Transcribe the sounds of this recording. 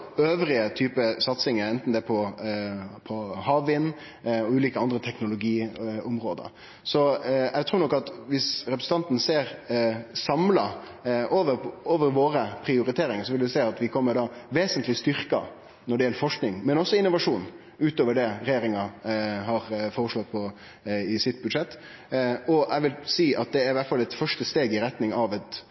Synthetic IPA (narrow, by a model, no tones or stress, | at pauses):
øːʋɾɪət̪ʰyːpəsɑt̪sɪŋəɾɛnt̪n̩d̪ɛpʰɔ | pʰɔhɑːʋːɪnː | ɔʉːliːkəɑnd̪ɾət̪ʰɛknʊlʊɡiːʊmɾoːd̪ə̰ | sɔɛɡt̪ʰɾuːɾnɔkːɑt̪ʋɪsɾɛpɾəsn̩t̪ɑnt̪n̩seːɾsɑmlɑ | ʔoːʋəɾoːʋəɾʋoːɾəpʰɾɪʊɾɪt̪ʰeːɾɪŋəsɔʋɪld̪ʊsæɪɑt̪ʋɪkʰɔmːəɖɑːʋeːsənt̪lɪst̪ʏɾkɑ̰ | nɔɖɛjɛlːəɾfɔʂknɪŋmɛnɔsːɔɪnːʊʋɑʂuːn | ʉːt̪oːʋəɖɛɾɛjeːɾɪŋɑɦɑɾfɔːɾəʂloːɡ̪̚pʰɔ | ɪsɪt̪ːbʉd̪ʂɛt̪ː | ɔʔæʋɪlsiːʔɑt̪̚d̪ɛæɾɪʋæʈfɑlɛt̪fœʂʈəst̪eːɡɪɾɛt̪nɪŋɑʋɛt̪